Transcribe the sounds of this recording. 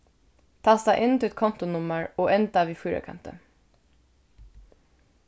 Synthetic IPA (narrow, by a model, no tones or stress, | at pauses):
t̪ʰɑːsd̪æɪʔɪnt̪ʰɪɛt̪̚kʰɔnt̪ʊnʊməɹoːʔɛnd̪ɑʋiːfuːɾə̰kʰɑ̰nt̪ə̰